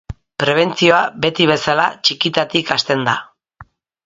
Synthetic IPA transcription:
pɾe̞βe̞nt͡sio̞abe̞t̪iβ̞e̞sala̰t͡ʃikit̪at̪ikast̪e̞nd̪a

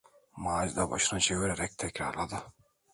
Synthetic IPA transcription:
maːld̪aba̰ʃɯnɯt͡ʃʰeviɾeɾɛc̚t̪ʰɛcɾa̰ɾlˠad̪ɯ

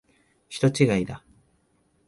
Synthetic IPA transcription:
çi̥t̪o̞t͡ɕiɡaid̪a

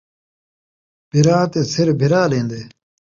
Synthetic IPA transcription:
b̥ʱiɾaːt̪esiɾbʱiɾaːleːnd̪eː

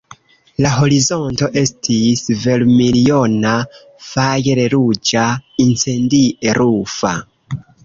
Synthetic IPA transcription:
laɦo̞ɾizo̞nto̞ʔe̞stʰisve̞lmilio̞na | fajeɾeɾud͡ʒaint͡se̞ndiʔeɾufa̰

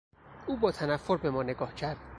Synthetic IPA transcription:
uːbɒːt̪ʰænæfːo̞ɾbe̞mɒːne̞ɡɒːhcʰæɾd̪̥

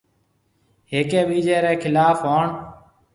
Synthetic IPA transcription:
ɦeːkeːʋiːd͡ʒeːɾeːkʰɪlaːfɦoːɳ

